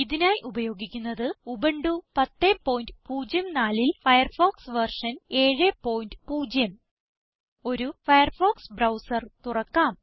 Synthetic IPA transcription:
iðinaːjʔubɐjo̞ːɡikʲːunːɐðɨubɐɳɖupɐt̪ːepːo̞ːjndɨpuːd͡ʑjɐmnaːlilfɐjɐrfoːksʋɐrʂɐne̞ːɻepːo̞ːjindɨpuːd͡ʑjɐm | o̞ɾufɐjɐrfoːksbrɐwsɐrt̪urɐkːaːm

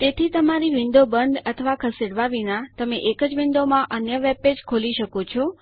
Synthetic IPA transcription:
t̪et̪ʰit̪əmaɾiʋind̪obənd̪ət̪ʰəʋakʰəseɽʋaʋinat̪əmeʔekəd͡ʒʋĩnd̪omãʔənjəʋeped͡ʒkʰoliʃəkot͡ʃʰɔ

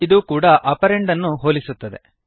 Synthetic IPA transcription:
id̪uːkuːɽɐʔɐpɐɾeɳɖɐnːuɦoːlisut̪ːɐd̪e̞̰

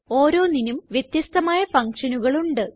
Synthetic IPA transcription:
o̞ːɾo̞ːninumʋjet̪jɐst̪ɐmaːjɐfɐŋkʂɐnuɣɐɭuɳɖɨ

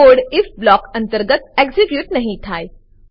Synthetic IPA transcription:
oːɽɪfblɔːkɐ̃nt̪əɾɡət̪̚eksɪkjuːt̪nɐɦĩt̪ʰaːe

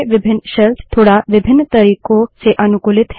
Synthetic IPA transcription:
ʋɪbʱɪnːʃəlst̪ʰoːɽaʋɪbʱɪnːt̪əɾiːkoseʔənukulɪt̪ɦ

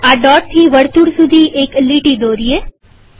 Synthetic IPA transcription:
aɖɔɾ̚t̪ʰiʋəɽt̪uɽsud̪ʱiʔekliʈid̪oɾije

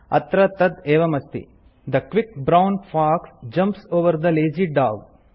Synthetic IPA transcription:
ɐ̰t̪ɾɐt̪ɐd̪eːʋɐmɐst̪ḭ | d̪ɐkʋikbɾawnfaːksd͡ʒɐ̃mpsoːʋɐɾd̪ɐleːd͡ʒiɖaːɡ

